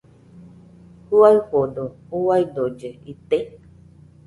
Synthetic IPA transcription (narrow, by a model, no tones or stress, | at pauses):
huaɰhod̪ouwajd̪od͡ʒeit̪e